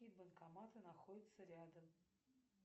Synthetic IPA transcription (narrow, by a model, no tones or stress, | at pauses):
ij̪bənkɐmat̪ɨnɐxodʲɪt̪səɾʲad̪əm